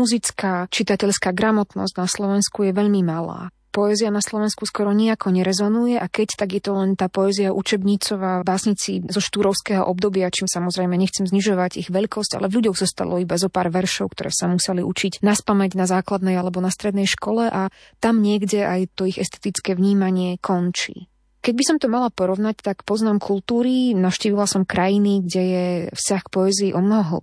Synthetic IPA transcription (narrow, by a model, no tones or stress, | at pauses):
muzit͡skaːt͡ʃit̪acɛʎskaːɡɾamɔt̪nɔ̰zɟnaslɔʋɛnskujɛʋɛʎmimala̰ː | pɔɛzianaslɔʋɛnskuskɔɾɔɲiakʰɔɲɛɾɛzɔnujɛʔakɛct̪aɡjɛt̪ɔlɛnt̪aːpɔɛziaʔut͡ʃɛbɲit͡sɔʋaːbaːsɲit͡sizɔʃt̪uːɾɔʊskɛːɦɔ̰ʔɔb̚d̪ɔbɪat͡ʃiːmsamɔzɾɛjmɛɲɛxt͡sɛmzɲiʒɔʋaɟiɣʋɛʎkɔsca̰lɛvʎuɟɔɣzɔst̪a̰lɔibazɔpaːɾʋɛɾʃɔʊkt̪ɔɾɛ̰ːsamusɛliʔut͡ʃicnaspamɛɟnazaːklad̪nɛjalɛbɔnast̪ɾɛd̪nɛjʃkɔlɛʔa | t̪amɲɪɛɡɟɛʔajt̪ɔiɣɛst̪ɛ̥t̪it͡skɛːʋɲiːmaɲɪɛkʰɔnt͡ʃḭː | kɛɟbisɔmt̪ɔmalapɔɾɔʋnact̪akpɔznaːmkʰult̪uːɾinafʃciːʋilasɔmkɾajiniɡɟɛjɛfscaxkpɔɛziːʔɔmnɔɦɔɦ